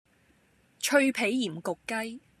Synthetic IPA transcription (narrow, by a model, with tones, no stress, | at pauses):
t͡ʃʰɵ˧ɥpʰe˨˥jːiː˨˩mkʊ˨kːɐ˥j